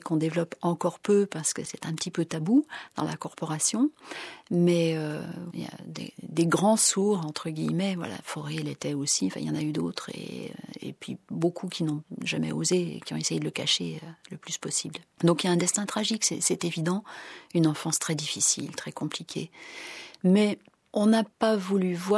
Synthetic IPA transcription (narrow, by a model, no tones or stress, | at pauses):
kɔ̃d̪evlɔpɑ̃kɔʁpøpaʁsə̥kəsɛt̪ɛ̃pət̪ipøt̪abud̪̥ɑ̰̃lʔakɔʁpɔʁasjɔ̃ | mɛøilja̰d̪ḛd̪eɡʁɑ̃suʁɑ̃t̪χəɡʲijmɛvwa̰la̰fɔʁeɛlet̪ɛosiɑ̃fɛ̰̃iljɑ̃nayd̪ot̪χḛø̰ḛpɥibokʰukʲinɔ̃ʒamɛ̰ozḛkʲiɔ̃esejed̪ələkaʃeøləplyspɔsibld̪ɔ̃kiljaɛ̃d̪ɛst̪ɛ̃t̪χaʒiksɛ̰sɛt̪evid̪ɑ̃ynɑ̃fɑ̃st̪χɛd̪ifisḭlt̪χɛkɔ̃plikʲʰḛ | mɛ | ɔ̃napavulyvwa